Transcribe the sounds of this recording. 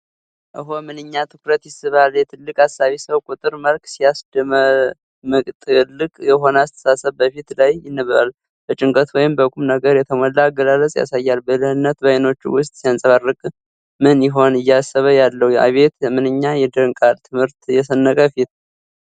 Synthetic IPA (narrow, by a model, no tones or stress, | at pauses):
ʔɨɦomɨnɨɲːat̪ʰɨkɾət̪jɪsɨβaljɛt̪ʰɨlːɨkʼasːaβisəwkʼut̪ʼɨɾməlkʼsijasd̪əmə | mɨkʼt̪ʼɨlːɨkʼjɛɦo̞nəasɨ̥t̪ʰə̥sasəβbəfit̪lajjɪnːəββa̰l | b̥ət͡ʃʼɪŋkʼət̪wɔjɪmbəɡʷʼumnəɡəɾjɛt̪ʰəməlːaːɡəlaləsʼja̰sajːalbəlɨhɨnːət̪bəjno̞t͡ʃːṵwʊst̪ʼsijansʼəβarːɨkʼ | mɨnjɪɦo̞nɨjːasːəβəjalːəhuja̰βe̞t̪ɛmɨnɨɲːajɛd̪əŋkʼalt̪ʰɨmhɨɾt̪jɛsənːəkʼəfit̪